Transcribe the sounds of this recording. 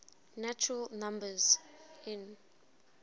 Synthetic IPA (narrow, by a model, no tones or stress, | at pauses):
nat͡ʃɹalnãmbəzɪ̃n